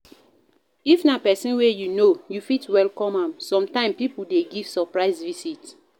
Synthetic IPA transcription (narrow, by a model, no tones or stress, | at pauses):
ifnapɛsĩnwɛjunojufitwɛlkɔ̃mãmsɔ̃mtãɪ̃mpipuldeɡiv̥sɔpɹaɪsvisit